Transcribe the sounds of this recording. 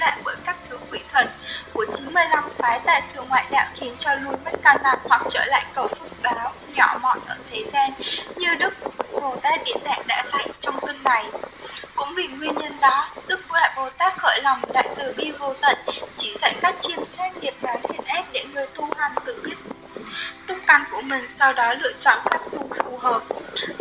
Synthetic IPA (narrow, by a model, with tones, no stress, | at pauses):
la̰ː˧˨jɓəː˧˩jkaː˦˥k̚t̪ʰɨ˨˦wkwi˨˦t̪ʰwə˧˩nku˧˩ət͡ɕi˨˦nmɨ˧əjla˧mfaː˨˦jt̪a̰ː˧˨jsɨ̰˧əŋwa̰ː˧˨jɗa̰ː˧˨wxi˨˦ənt͡ɕɔ˧lu˧jma˦˥t̚kaː˧zaː˧hwa˨˩k̚t͡ɕəː˧˩la̰ː˧˨jkə˧˩wfɨ˨˩k͡p̚ɓaː˨˦w | ɲɔ˧˩mɔ̰˧˨nʔəː˧˩t̪ʰe˨˦zɛ˧nɲɨ˧ɗɨ˦˥k̚ṵ˧˥ɓo˨˩t̪aː˧˥ɗḭ˧˨ənɗa̰˧˨ŋɗa̰ː˧˥za˧˩jŋ̟t͡ɕɔ˧wŋ͡mt̪i˧ŋna˨˩jkʊ̰˧˥ŋ͡mvi˨˩ŋwi˧ənɲə˧nɗɔ˨˦ɗɨ˦˥k̚la̰ː˧˩jɓo˨˩t̪aː˦˥k̚xəː˧˩jlɔ˨˩wŋ͡mɗa̰ː˧˨jt̪ɨ˨˩ɓi˧vo˧t̪ə̰˧˨nt͡ɕi˧˩zɛ̰˧˨kaː˦˥k̚t͡ɕi˧əmsɛ˦˥t̚ɗi˨˩əp̚na˨˦nhḭ˧˩ənʔɛ˦˥p̚ɗḛ˧˩ŋɨ˨˩əjt̪ʰu˧haː˨˩ŋt̪ɨ̰˧˩ki˦˥k̚ | t̪ʰʊ˧ŋ͡mka˧nku˧˩əmï˨˩ŋ̟sa˧wɗɔ˨˦lɨ̰˧˨ət͡ɕɔ̰˧˨nsaː˦˥t̚vʊ˧ŋ͡mfu˨˩həː˨˩p̚